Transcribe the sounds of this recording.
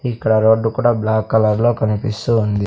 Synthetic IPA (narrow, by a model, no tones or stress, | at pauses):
ikːɐɽɐɾo̞ːɖːukuːɽaːblaːkːɐlɐɾlo̞ːkɐnipist̪uːnd̪i